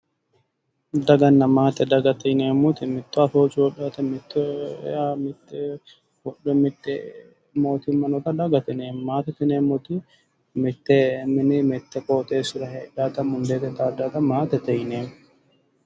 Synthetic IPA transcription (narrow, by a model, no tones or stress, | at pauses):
d̪ɐɡɐnːɐmaːt̪ːɛd̪ɐɡɐt̪ɛjneːmːʊt̪ɪmɪt̪ːɔɐfoːt͡ʃɪwɔɗat̪ɛmɪt̪ːɔamɪt̪ːɛ | wɔɗɛmɪt̪ːɛ | mo̞ːt̪ɪmɐnɔt̪ɐd̪ɐɡɐt̪ɪneːmmaːt̪ɛt̪ɪneːmːʊt̪ɪ | mɪt̪ːɛmɪnɪmɛt̪ːɛkoːt̪ʼeːsʊɾɐhɛᶑaːt̪ɐmʊnd̪e̞ːt̪ɛt̪aːd̪aːt̪ɐmaːt̪ɛt̪ɛjneːm